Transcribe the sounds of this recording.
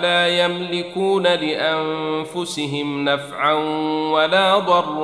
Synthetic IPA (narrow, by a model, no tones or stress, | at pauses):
laːjamlɪkuːnalɪʔanfʊsɪɦɪmnafʕanwalaːd̪ˤɑrˤː